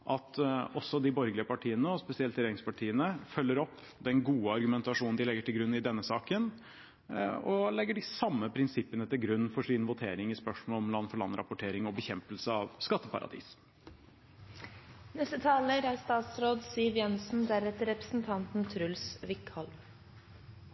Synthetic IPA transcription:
ʔɑt̪ɔsːɔd̪ɪbɔɾɡlɪəpɑʈʰiːənəɔspɛsɪɛlt̪ɪɾeːɾɪŋspʰɑʈʰiːənəfœlːəɾɔpː | d̪ɛnɡuːəɑɾɡʉmɛnt̪ɑʂuːnn̩d̪ɪlɛɡːəʈɪlɡɾʉnːɪd̪ɛnːəsɑːkən | ɔlɛɡːəɖɪsɑmːəpʰɾɪnsɪpːənət̪ɪlɡɾʉnːfɔʂɪnʋʊt̪ʰeːɾɪŋɪspœʂmɔːlɔmlɑnːfɔɭɑ̰nɾɑ̰pʊʈʰeːɾɪŋɔbəçɛmpəlsəɑʋskɑt̪ːəpʰɑ̰ɾɑ̰d̪ḭːs | nɛst̪ət̪ʰɑːləɾæst̪ɑːt̪sɾoːd̪siːʋjɛnsn̩d̪æɾɛt̪əɾɛpɾə̥sn̩t̪ʰɑnt̪n̩t̪ʰɾʉlsʋɪkhɔlm

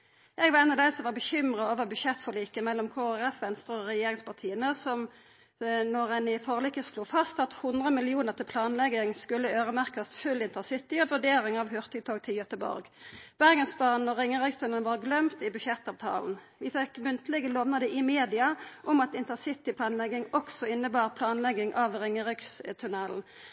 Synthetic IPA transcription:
ʔɛɡʋɑʁɛɪnɑʋd̪æɪsɔmʋɑbəçʏmʁəoːʋəʁbʉʃɛt̪ːfɔliːkəmɛlːɔmkʰoːæʁɛfʋɛnst̪ʁəɔʁɛjeːʁɪŋspʰɑʁt̪ʰiːənəsɔm | nɔʁɛnɪfɔʁəlɪkːəsluːfɑst̪ɑt̪hʊnd̪ʁəmɪlɪuːnəʁt̪ʰɪlpʰlɑːnlɛɡɪŋskʉlːəøːʁəmæʁkəst̪fʉlːɪnt̪əsɪt̪ːɪɔʋʉɖeːɾɪŋɑʋhʉʁt̪ʰɪt̪ʰoːɡt̪ʰɪljœt̪əbɔ̰ɾɡ | b̥æʁɡənsplɑːnnɔʁɪŋəʁɪkst̪ʰʉnɛlnʋɑːʁɡlœmt̪ɪbʉʃɛt̪ɑːʋt̪ʰɑ̰ːln̩ | ʋɪfɛkmʉnt̪əlɪɡəloːʋnəd̪əʔɪmeːd̪ɪɑʔʊmɑt̪ɪnt̪əsɪt̪ɪpʰlɑːnlɛɡɪŋɔksɔɪnːəbɑːʁpʰlɑːnlɛɡɪŋʔɑʋʁɪŋːəʁɪkst̪ʰʉnɛln̩

